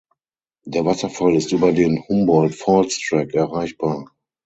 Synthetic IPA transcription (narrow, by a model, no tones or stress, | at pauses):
d̥eːɐvasɐfalɪstʔyːbɐdeːnhʊmbɔltfɔlstʁ̥ɛkɛɐʁaɪçb̥aːɐ